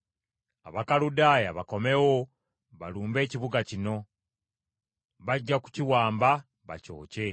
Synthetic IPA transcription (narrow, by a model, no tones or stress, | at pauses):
a̰βakaludaːjaβako̞me̞wo̞ | βaluːmbe̞ːciβuɡacino̞ | βaɟːaku̥ciwaːmba | βa̰co̰ːce̞